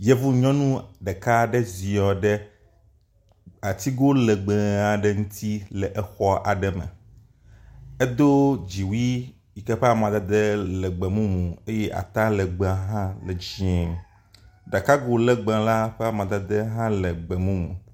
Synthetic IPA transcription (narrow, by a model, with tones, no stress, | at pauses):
je˦vu˦ɲɔ̃˦nũ˦ɖɛ˨ka˦ɖɛ˦zi˨ɔ˨ɖɛ˦ | a˨t̪i˦ɡo˦lɛ˨ɡ͡bɛ˨a˨ɖɛ˦ŋũ˦t̪ʰi˦lɛ˨ʔɛ˦xɔ˦ʔa˨ɖɛ˦mɛ̰̃˨ | ɛ˦d̪o˦d͡ʒi˨wi˦ | i˨kɛ˦ɸɛ˦a˨m˨ã˨d̪a˦d̪ɛ˦lɛ˨ɡ͡bɛ˨mũ˦mũ˨e˦jɛ˦ʔa̰˨t̪a˦lɛ˨ɡ͡be˨a˨ɦã˦lɛ˨d͡ʒĩ˨ɛ̃˨ | ɖa˨ka˦ɡo˨lɛ˨ɡ͡bɛ̃˨la˦ɸɛ˦a˨mã˨d̪a˦d̪ɛ˦ɦã˦lɛ˨ɡ͡bɛ˨mũ˦mũ˨